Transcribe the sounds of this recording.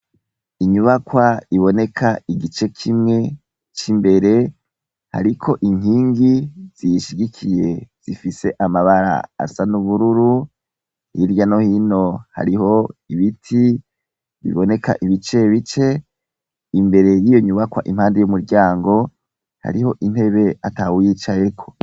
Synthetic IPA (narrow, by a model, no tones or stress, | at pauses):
iɲuβakwaiβo̞ne̞kʰaiɡit͡ʃe̞kʰimŋe̞ | t͡ʃimbe̞ɾe̞ | ha̰ɾikʰo̞ʔiŋhiːŋɡiz̥ijʃiɡikʰije̞z̥ifise̞ʔamaβaɾa̰ːsanuβuɾuɾu | hiɾjano̞hino̞ha̰ɾiho̞iβitʰi | βḭβo̞ne̞ka̰ʔiβit͡ʃe̞βit͡ʃe̞ | imbe̞ɾe̞jijo̞ɲuβakwa̰ʔim̥haːndejumuɾɟaːŋɡo̞ | ha̰ɾiho̞ʔin̥he̞βe̞atawjit͡ʃaje̞kʰo̞̥